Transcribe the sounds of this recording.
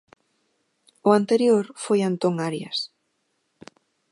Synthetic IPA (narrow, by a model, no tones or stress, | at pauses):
ʊant̪eɾjoɾfojant̪oŋaɾjas